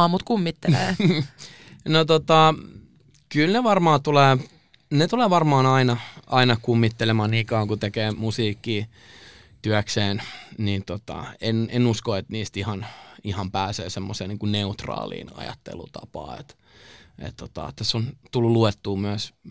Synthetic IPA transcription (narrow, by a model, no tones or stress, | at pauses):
ɑmut̪kumːit̪ːeleː | not̪ot̪ɑ | kylneʋɑrmɑːt̪uleː | net̪uleːʋɑrmɑːnɑinɑɑinɑkumːit̪ːelemɑːnnikɑːŋkut̪ekeːmusiːkːiː | t̪yækseːnnint̪ot̪ɑ̰enenuskoet̪niːst̪ihɑnihɑmpæːsḛːsemːoseːniːŋkunneut̪rɑ̰ːlḭːnɑ̰jɑ̰t̪ːḛlṵt̪ɑ̰pɑ̰ːḛt̪ | ḛt̪t̪ot̪ɑ̰t̪ːæsont̪ulːuluet̪ːuːmyæs